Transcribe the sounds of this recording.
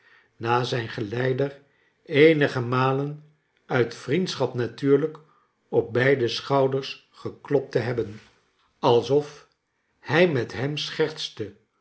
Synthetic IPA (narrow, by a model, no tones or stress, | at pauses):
naːzɛjnχəlɛjdər | ejnəχəmaːlən | œɥtfrintsχɑpnatyːɹlək | ɔp̚bɛjdəsχɑwdəɹs | χəklɔp̚təɦɛbən | ɑlˠsɔf | hɛjmɛtɦɛmsχɛɹt̪stə